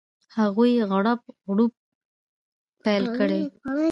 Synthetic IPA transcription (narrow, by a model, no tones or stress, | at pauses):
haɣujɣɽap̚ɣɽup̚ | pajlkəɽe